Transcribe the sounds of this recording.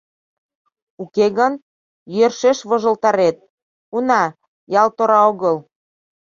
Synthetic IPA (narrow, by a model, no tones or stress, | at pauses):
ukeɣən | jørʃeʃβɤ̆ʒə̆lt̪ɑɾet̪̚ | unɑ | jɑlt̪oɾɑoɣəl